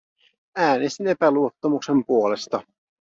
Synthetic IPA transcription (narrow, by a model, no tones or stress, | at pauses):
æːnest̪ine̞pæluo̞t̪ːɑmukse̞mpuo̞le̞st̪ɑ